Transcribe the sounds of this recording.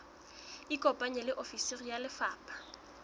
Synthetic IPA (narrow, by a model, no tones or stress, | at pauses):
ikʼɔpʼaɲɛlɪʔofiserijalɪfaːpʼḁ